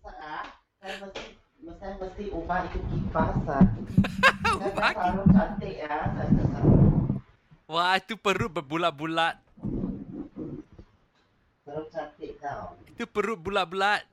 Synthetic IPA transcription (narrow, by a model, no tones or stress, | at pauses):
saʔah | kanməst̪ɪh | məst̪aməst̪ihubaʔit̪ukifasan | ubaaɾʊt͡ʃant̪ɪʔahsasəsa | wait̪upəɾʊt̪̚bəbulaʔ̪̚bulat̪̚ | pəɾʊt͡ʃant̪ɪʔ̚t̪awit̪upəɾʊt̪̚bulaʔ̪̚bulat̪̚